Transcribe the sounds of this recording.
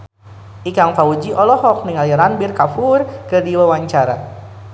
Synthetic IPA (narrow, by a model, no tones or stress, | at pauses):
ʔikaŋfaud͡ʒiʔɔlɔɦɔk̚niŋaliɾanbirkafurkərdiwawaɲt͡ʃaɾa̰